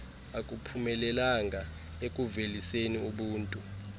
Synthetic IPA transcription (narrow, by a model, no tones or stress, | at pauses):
akʼupʰumɛlɛlaŋʱa | ekʼuveliseniuɓuːntʼu